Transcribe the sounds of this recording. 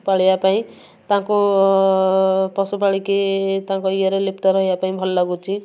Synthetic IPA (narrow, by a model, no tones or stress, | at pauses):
paɭjapaĩ | t̪ãko | pɔsupaɭiket̪ãkoiʌɾelept̪aɾʌɦjapaĩbʱʌllaɡut͡sʰĩ